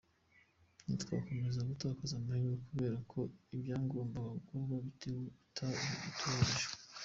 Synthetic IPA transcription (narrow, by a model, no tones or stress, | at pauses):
nitka̰ko̞me̞zaɡutaːkazamahijokuβe̞ːɾakʰo̞ibjaːŋɡoːmbaɡwaβaβitʰewoutʰaitʰuiʒ